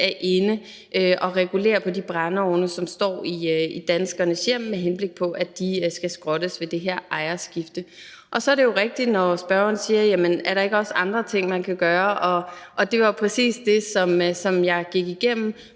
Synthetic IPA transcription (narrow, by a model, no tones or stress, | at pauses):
æɐʔe̝nə | ʔøʔɒ̽ʁɛɡ̥ule̝̰ːɐpʰɒ̽dib̥ʁɑnəɒʊnəsɒ̽msd̥ɒ̰ːiid̥ænsɡ̥ɐnəsjeɐ̰mːeɦenb̥le̝ɡ̥̚pʰɒ̽ʔæd̥isɡ̥æsɡ̥ʁɒ̽ɾ̥əsʋe̝d̥e̝ɦeɐ̰ʔɑ̈ɪɐsɡ̥ifd̥ə | ʔɒ̽sɒ̽ɐɾe̝jo̝ʁɛɡ̥̚d̥id̥nɒsb̥ɶɐɒnsiːɐjæmənæɐɾɑ̈e̝ɡəɒ̽sɑ̈nd̥ʁɐt͡sʰe̝ŋ̰mænkʰæɡ̥ɶːɐʔɒ̽ʔɒ̽d̥e̝ʋɑ̈pʰʁɛsḭːsd̥e̝sɒ̽msɒ̽mjɑ̈ɪɡ̥iɡ̥iɡ̥em̰m̩